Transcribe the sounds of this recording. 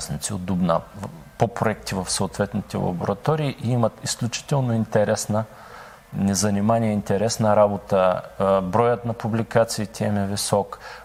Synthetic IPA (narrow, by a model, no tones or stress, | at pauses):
snit̪sio̰d̪d̪ʊbna | popɾoɛk̚t̪ivɐfsoʊt̪vɛt̪nit̪ɛ̰lˠɐ̰bo̰ɾɐ̰t̪ɔɾiːʔiimət̪isklʲut͡ʃi̥t̪ɛlˠnoint̪ɛɾɛsnə | nɛzɐnimaniɛint̪ɛɾɛsnɐɾabot̪əbɾɔjət̪nɐpublikat̪siːt̪ʲɛɛmɛvisɔk